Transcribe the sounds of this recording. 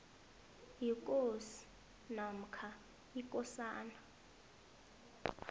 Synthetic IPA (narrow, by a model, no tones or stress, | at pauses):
jikʼosi̥ | nam̩kʰa | ikʼɔsaːna